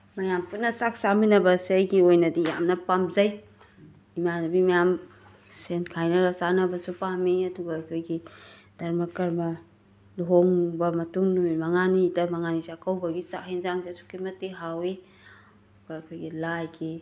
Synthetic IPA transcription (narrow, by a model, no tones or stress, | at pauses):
mɐjamput̚nɐsak̚saminɐbɐsiajɡiojnɐdija̰mnɐpamzɐj | imanɐbimɐjam | senkʰajnɐɾɐsanɐbɐsupamiɐduɡaːkʰojɡid̥ɐɾmɐkɐɾmɐ | lɦoŋbɐmɐtuŋnumimɐŋanidɐmɐŋanisakʰɐwbɐɡisa̰hinzaŋsisu̥kimɐtːiɦawe | uɡaɐkʰojɡilajɡi